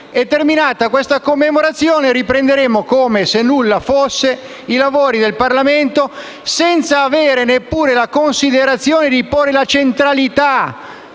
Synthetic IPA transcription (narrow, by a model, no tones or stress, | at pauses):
ɛt̪ːerminaːt̪akwest̪akomːemoɾat̪sːjoːneɾipɾend̪eɾeːmokoːmesenːulːafosːe | ilavoːɾid̪elparlament̪o | sɛnt̪saːveːɾenepːuːɾelakonsid̪eɾat̪sːjoːned̪iporːelat͡ʃent̪ɾalit̪a